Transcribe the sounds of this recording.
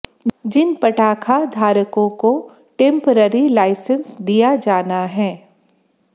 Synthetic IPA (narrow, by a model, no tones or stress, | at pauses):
d͡ʒɪnpɐʈaːkʰad̪ʱaːɾəkõko | ʈẽːmpəɾəɾilaːɪsə̃nsd̪ijad͡ʒaːnaɦɛː